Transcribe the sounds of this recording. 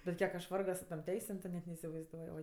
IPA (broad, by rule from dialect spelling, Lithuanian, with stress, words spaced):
bʲɛt ˈkʲiɛk ɐʃ ˈʋɐrɡoː sʊ toːm ˈtʲɛɪsʲeːm tʊ ˈnʲɛt nʲɛɪsʲɪʋɐɪzˈduɔj ˈoːɪ